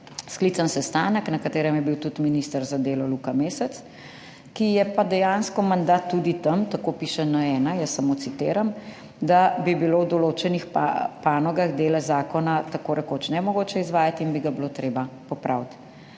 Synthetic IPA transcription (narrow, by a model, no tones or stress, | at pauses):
sklit̪sansɛst̪anəknɐkat̪eːɾɛmjɛbiwt̪ut̪minist̪əɾzad̪eːlɔlukameːsɛt̪s | kijɛpad̪ɛjanskɔmand̪at̪ːud̪it̪ɐmt̪akoːpiːʃɛnɐɛːnajəsːamot̪sit̪eːɾam | d̪abibilowd̪ɔloːt͡ʃɛnixpa̰paːnɔɡaɣd̪eːlɛzaːkɔnat̪akoːɾʔɛkot͡ʃnɛmɔɡoːt͡ʃɛizʋaːjat̪inbiɡablot̪ɾeːbapɔpɾʔawt̪